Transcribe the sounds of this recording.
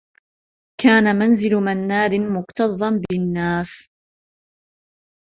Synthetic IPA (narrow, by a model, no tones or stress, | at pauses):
kʰaːnamanzɪlmanːaːɾɪmʊqt̪ɑðˤːɑmbɪnːaːs